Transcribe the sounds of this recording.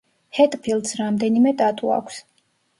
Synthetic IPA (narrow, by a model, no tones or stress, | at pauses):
hɛt̪ʼpʰilˠd̪sɾamd̪ɛnimɛd̪ʼat̪ʼṵa̰kʷʰs